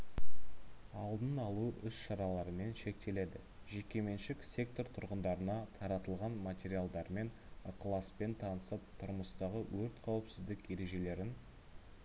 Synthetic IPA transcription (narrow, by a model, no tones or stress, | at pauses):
ɑlˠd̪ənɑlˠuʔʏsʃɑɾɑlˠɑɾəme̞nʃe̞k̚t̪e̞le̞d̪ɪ | ʒe̞kʲːe̞me̞nʃɪksʲe̞k̚t̪o̞rt̪ʰʊɾʁənd̪ɑɾənɑt̪ʰɑɾɑt̪əlˠʁɑnmat̪ʲeɾialˠd̪ɑɾme̞n | əqəlˠɑspe̞nt̪ʰɑnəsəp̚t̪ʰʊɾməst̪ɑʁəwɵɾt̪qʰɑwəpsɪzd̪ɪke̞ɾe̞ʒe̞le̞ɾɪn